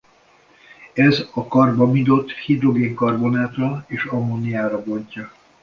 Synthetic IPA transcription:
ɛzɒkɒrbɒmid̪o̞t̪ːhid̪ɾo̞ɡeːŋkɒrbo̞naːt̪rɒeːʃɒmːonijaːɾɒbo̞ɲcɒ

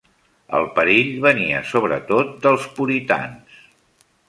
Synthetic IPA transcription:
ə̰lˠpəɾiʎβəniə̰soβɾət̪ot̪̚d̪əlˠspuɾit̪a̰ns

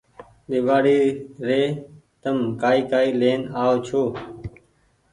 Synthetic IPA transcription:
ɗɪːʋaːɽiːɾeːt̪əmkaːiːkaːiːleːnaːot͡ʃʰoː

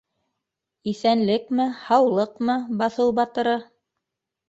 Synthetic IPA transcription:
iθænlɘkmɘhɑwlˠɤqmɤbɑθɤwbɑt̪ɤ̆ɾɤ

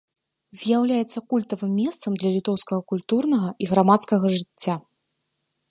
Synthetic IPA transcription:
zʲjawlʲajɛt̪sːɐkulʲt̪ɐvɨmːʲɛst̪sɐmd̪lʲɐlʲit̪ɔwskɐɣɐkulʲt̪urnɐɣɐʔiɣɾamat̪skɐɣɐʐɨt͡sʲːa

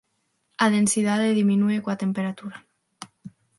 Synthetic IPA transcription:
aðensiðaðeðiminuekwat̪empeɾat̪uɾa

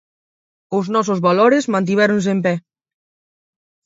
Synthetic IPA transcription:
oznɔsozβaloɾezmant̪̬iβɛɾons̬empɛ

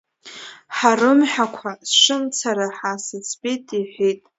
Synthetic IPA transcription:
ħarɨmħᶣakʷʰasʂɨmt͡sʰaɾaħasɨt͡sʰpʼitʼiħʷijtʼ

